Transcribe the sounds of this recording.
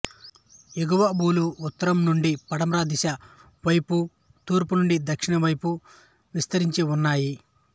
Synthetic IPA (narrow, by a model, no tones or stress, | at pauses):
eɡuʋɐbuːluːt̪ːɐɾɐmnuɳɖipɐɽɐmɾaːd̪iʃɐ | ʋɐjpu | t̪uːɾpunuɳɖid̪ɐkʂiɳɐʋɐjpu | ʋist̪ɐɾiɲt͡ʃiunːaːji